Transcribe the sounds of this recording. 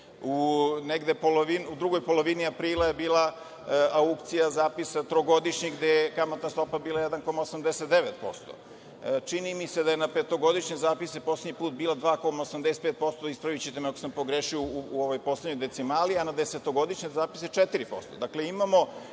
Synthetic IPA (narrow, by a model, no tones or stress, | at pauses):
uneɡd̪e̞poloʋinud̪ɾuɡo̞jpo̞lo̞ʋiniapɾiːlaje̞biːlˠa | aukt̪sijazaːpisat̪ɾoɡod̪iʃɲiɡd̪ejekamat̪nast̪o̞pabiːlˠajed̪anko̞maosamd̪eset̪d̪eʋet̪̚po̞̰st̪o̰ | t͡ʃinimise̞d̪ajenape̞t̪o̞ɡo̞d̪iʃɲezaːpisepo̞sleɲipuːt̪̚biːlad̪ʋaːko̞maosamd̪ese̥t̪pet̪̚po̞st̪o̞ispɾaʋit͡ɕit̪emakosampo̞ɡɾeːʃiouuoʋojpo̞sledɲojd̪e̞t̪simaːlianad̪ese̞t̪o̞ɡo̞d̪iʃɲezaːpi̥set͡ʂet̪iɾipo̞̰st̪o̞d̪akleimamo̞